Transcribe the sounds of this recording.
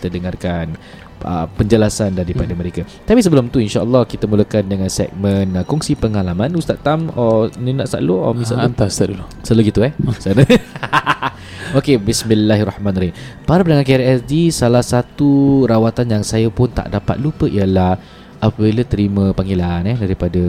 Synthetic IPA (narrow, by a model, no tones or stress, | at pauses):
ki̥t̪ədəŋarkan | ʔə̰pəɲd͡ʒəlasandaɾipadəməɾeka | t̪apis̬əbəlʊmt̪uinʃaʔəlːɔhkit̪əmuləkandəŋansɛ̰k̚mə̃nkɔŋsipəŋalamãnust̪at̪ːamɔninaʔsa̰ʔloɔ̰mĩsa̰ʔnt̪ast̪aʔdulo | saloɡit̪uɛhsanə | okebismilːaɦrɔhmãnɾinpaɾapənaŋankɛɾɛsdisalahsat̪uɾawat̪anjaŋsajəpʊnt̪a̰ʔdapa̰t̪̚lupəʔijəlah | ʔapəbilət̪əɾimə̃paŋɡelanɛdaɾipada